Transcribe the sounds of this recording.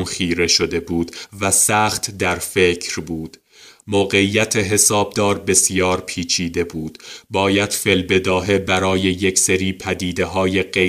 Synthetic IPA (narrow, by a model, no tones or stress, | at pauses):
mχiːɾe̞ʃod̪e̞buːd̪̥væsæːχt̪d̪æɾfecʰɾbuːd̪̥ | moːɣe̞iːjːæt̪ʰeɦe̞sɒːb̚d̪ɒːɾbe̞sjɒːɾpʰiːt͡ʃʰiːd̪e̞buːd̪̥bɒːjæd̪̥fe̞lbe̞d̪ɒːɦe̞bæɾɒːje̞jecʰseɾiːpʰæd̪iːd̪e̞ɦɒːje̞ɢe